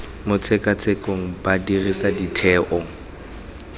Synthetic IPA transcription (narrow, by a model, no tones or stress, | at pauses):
mʊt͡sʰɛkʼat͡sʰɛkʼoŋ̩badirisaditʰɛːʔɔŋ